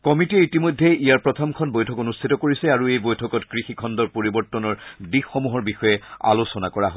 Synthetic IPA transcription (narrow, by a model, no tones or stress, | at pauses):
kɔmitiɛitimojdʱːeijaɹpɹɔtʰɔmkʰɔnbojtʰɔkonustʰitɔkoɹisɛaɹuejbojtʰɔkɔtkɹixikʰɔndɔɹpoɹibɔɹtːɔnɔɹdixxɔmuɦɔɹbixɔjɛa̰losɔnakɔɹaɦɔ